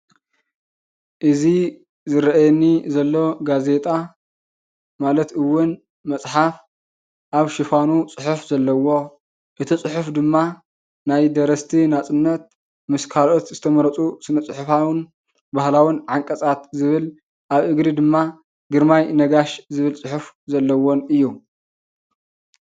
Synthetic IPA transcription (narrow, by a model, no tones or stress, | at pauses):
ʔɨzi | zɨɾɐʔajɛnːizɐlːo̞ɡaze̞t̪ʼa | malɐt̪ɨwːʊn | mɐt͡sʼħaf | ʔaβʃɪfanut͡sʼɨħufzɐlːɐwo̞ | ʔɨt̪ʰit͡sʼɨħufd̪ɨmːa | najd̪ɐɾɐst̪ʰinat͡sʼɨnːɐt̪̚ | mɨskʰalo̞t̪zɨt̪ʰɐmɐɾɐt͡sʼusɨnɐt͡sʼɨħʊfawn | bahlawinʕaŋkʼɐt͡sʼat̪zɨβɨl | ʔaβʔɨɡɾid̪ɨmːa | ɡɨɾmajnɐɡaʃzɨβɨlt͡sʼɨħuf | zɐlːɐwonɨjːu